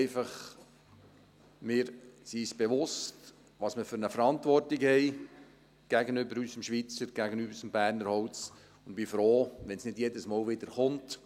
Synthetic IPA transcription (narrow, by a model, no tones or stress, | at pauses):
ɪfɑχ | mɪːɾsisb̥eʋʊst | ʋɑsməfʏɾnəfəɾɑntʋɔrtikhɛɪ | ɡ̥æɡənʏbəɾysəmʃʋit͡səɾɡ̥æɡənybəɾsəmbæːɾnəɾhɔwt͡s | ʊndb̥ifɾoːʋɛnsnɪdjɛdəsmɑːlʋɪd̥̪əɾχʊnt